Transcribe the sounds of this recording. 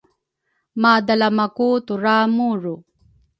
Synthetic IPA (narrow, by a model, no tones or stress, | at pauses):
mad̪alamakut̪uɾamuɻu